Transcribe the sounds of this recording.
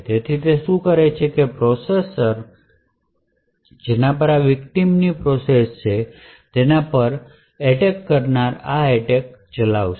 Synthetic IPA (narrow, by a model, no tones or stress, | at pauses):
t̪et̪ʰit̪eʃũkəɾet͡ʃʰekepɾɔsesəɾ | d͡ʒenapəɾaʋɪkʈimnipɾɔsest͡ʃʰe | t̪enapəɾ | ɛʈekːəɾnaɾaeʈek̚t͡ʃəlaʋʃ